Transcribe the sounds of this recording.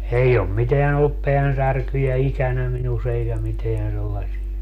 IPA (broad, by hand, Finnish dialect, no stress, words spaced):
ei om miteæn olːup peænsærkyjæ ikænæ minus eikæ miteæn selːɑsiɑ